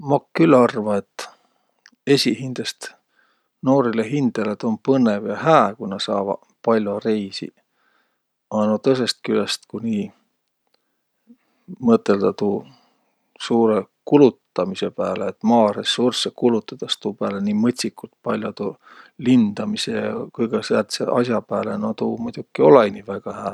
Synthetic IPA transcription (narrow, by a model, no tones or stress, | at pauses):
mɑkkːylɑrvɑe̞t̪ːˑ | e̞sʲihind̪̥est̪ | no̞ːɾileɦind̪̥elet̪o̞npɤnevjɑhæːkunɑsɑ̰ːvɑ̰ | pɑlʲjore̞jsḭ | ɑnot̪ɤs̬e̞st̪̚kylest̪kuniː | mɤt̪ːˑe̞ld̪̥ɑt̪uː | suːɾekulut̪ːˑɑmise̞pæːleːt̪ːˑmɑːɾe̞sursːekulut̪ːˑɑd̪̥ɑst̪uːpæːleniːmɤt̪ʲsikːˑult̪̚pɑlʲjot̪uː | lind̪̥ɑmisejɑkujɡɑsæːlt̪sḛʔɑ̰s̬ʲjɑpæːle̞not̪uːmujd̪̥ukːio̞lɑjnivæɡ̥ɑhæː